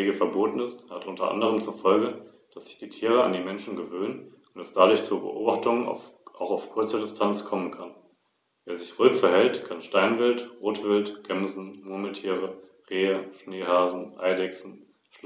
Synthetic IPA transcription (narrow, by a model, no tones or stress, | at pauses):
eːɡəfɛɐboːtn̩ɪsthatʔʊntɐ̰ʔa̰ndəʁ̞əmt͡sufɔlɡə | d̥asz̥ɪ̥çd̥iːtʰiːʁ̞əa̰ndiːmɛnʃn̩ɡəvøːnən | ʊntɛsd̥adʊɐçt͡suɐbə̰ʔo̰ːbaχtʊŋən̰ʔaʊxaʊfkʰʊɐt͡sədɪstʰant͡skʰɔmənkʰan | veːɐzɪçʁøʏkfɛɐhɛltkʰanʃtaɪnvɪltʁoːtv̥ɪltɡ̥ɛmzn̩muɐməl̩tʰiːʁə | ʁeːəʃneːɦaːzn̩ʔa̰ɪdɛksn̩ | ʃl